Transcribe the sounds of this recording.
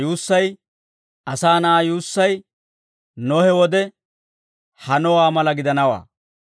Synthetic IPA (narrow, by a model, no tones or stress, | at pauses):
juːsːɐj | ɐsaːnɐajuːsːɐj | nɔhɛwɔd̪ɛ | hɐnɔwaːmɐlɐɡɪd̪ɐnɐwa̰ː